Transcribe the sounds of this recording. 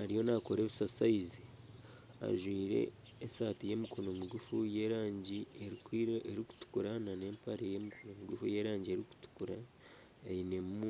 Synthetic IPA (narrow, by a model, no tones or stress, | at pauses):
haɾijo̞nakoɾe̞ːβisasaizi | a̰ʒwiːɾe̞̰ː | saːtije̞mikono̞muɡufuje̞ːɾaːɲɟieikieɾiku̥tu̥kuɾanane̞ːmpaɾejemikono̞muɡufuje̞ːɾaːɲɟieɾiku̥tu̥kuɾa | ejine̞mu